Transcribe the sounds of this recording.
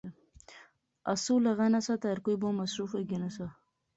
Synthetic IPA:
asulaɣanasat̪aɾkujbomasɾufaɡinasa

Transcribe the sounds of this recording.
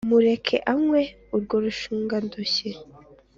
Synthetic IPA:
muɾe̞kʰḛʔamwe | uɾɡoɾuʃuːŋɡandoɕe

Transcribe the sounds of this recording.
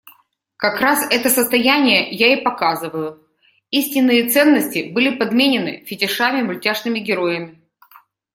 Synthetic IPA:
kɐkɾasɛt̪əsəst̪ɐjænʲɪjəjaipɐkazɨvəjʊ | isʲtʲɪnːɨjət̪sɛnːəsʲtʲɪbɨlʲɪpɐd̪mʲenʲɪnɨ̰fʲɪtʲɪʂamʲɪmʊlʲtʲaʂnɨmʲɪɡʲɪɾo̞jɪmʲɪ

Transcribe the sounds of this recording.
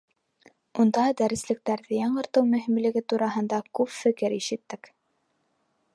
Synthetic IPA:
und̪ɑd̪æɾɘ̆slɘ̆k̚t̪æɾðɘjɑɴɢɤ̆ɾt̪ɤwmɵ̆ɦimlɘ̆ɡɘt̪uɾɑɦɤ̆nd̪ɑkʉpfɘ̆kɘɾiʃɘ̆t̪ːɘk

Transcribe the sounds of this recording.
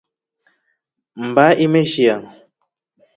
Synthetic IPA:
m̩baʔimeʃia

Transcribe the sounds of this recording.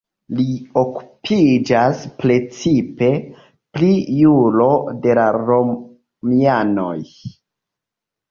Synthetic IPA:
lio̞ku̥pʰid͡ʒaspɾe̞t͡sipe̞ | plijulo̞de̞laɾo̞ | miano̞̰j

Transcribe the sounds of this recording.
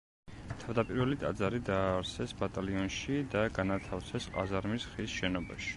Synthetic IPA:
t̪ʰavd̪apʼiɾvɛlit̪ʼa̰d̪zaɾid̪aːɾsɛsbat̪ʼaliɔnʃid̪aɡanat̪ʰafsɛsqʼa̰zaɾmisχisʃɛnɔba̰ʃi̥

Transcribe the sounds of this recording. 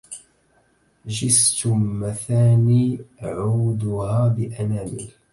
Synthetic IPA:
ʒɪst̪ʊːaθaːniːʕuːd̪ʊhaːbɪʔanaːmɪ̰l

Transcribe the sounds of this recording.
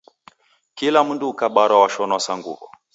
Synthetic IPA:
kilamunduːkaɓaɾawaʃɔnwasaŋɡṵvɔ̰

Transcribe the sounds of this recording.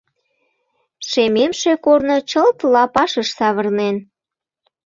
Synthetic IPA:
ʃememʃekornot͡ɕəlt̪lɑpɑʃəʃsɑβərnen

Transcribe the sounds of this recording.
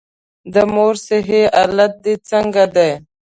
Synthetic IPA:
d̪əmoɾseɦealat̪̚d̪it͡səŋɡad̪ej

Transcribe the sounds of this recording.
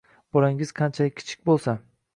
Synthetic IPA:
b̥ɒɾaŋɪz̥qʰɑnt͡ʃʰalɪkʲʰɪ̥t͡ʃʰɪ̥k̚ʲbolˠsa

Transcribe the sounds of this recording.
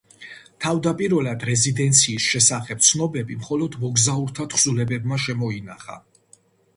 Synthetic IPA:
t̪ʰavd̪apʼiɾvɔlad̪ɾɛzid̪ɛnt̪sʰiːsʃɛsaχɛp̚t̪sʰnɔbɛbimχɔlɔd̪mɔɡzauɾt̪ʰat̪ʰχsulɛbɛbmaʃɛmɔinaχa̰

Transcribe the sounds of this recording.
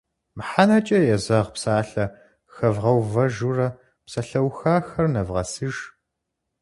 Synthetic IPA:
mħanɐt͡ʃʼɐjɛzɐʁpsaːɬɐ | xɐvʁɐwvɐʒurɐ | psɐɬɐwxaːxɐrnɐvʁɐ̰sɨʒ

